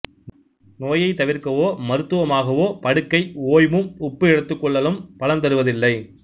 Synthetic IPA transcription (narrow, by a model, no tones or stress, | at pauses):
noːjɐɪt̪ɐʋɪɾkɐʋoːmɐɾɯt̪ːɯʋɐmaːɣɐʋoːpɐɽɯkːɐɪoːjmɯmʊpːɯɛɽɯt̪ːɯkːɔɭːɐlɯmpɐlɐnt̪ɐɾɯʋɐðɪlːɐɪ